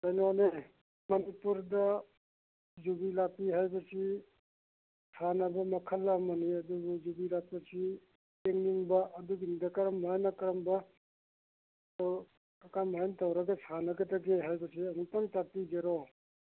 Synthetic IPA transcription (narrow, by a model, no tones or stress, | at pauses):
kajnone | mɐnipuɾdɐ | zubilapiɦajbɐsi | sʰanɐbɐmɐkʰɐlːamɐniɐduɡuzubilak̚pɐsi | eŋniŋbɐʔɐduɡindɐkɐɾɐmbajnɐkɐɾɐmbɐ | ɐkanmaantɐwɾɐɡɐsʰanɐɡɐdɐɡeɦajbɐsiɐnutaŋtapid͡ʒeɾo